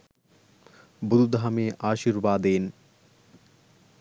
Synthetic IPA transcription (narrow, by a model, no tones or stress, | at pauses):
bud̪ud̪aɦmeːʔaːʃiːɾʋaːd̪eːn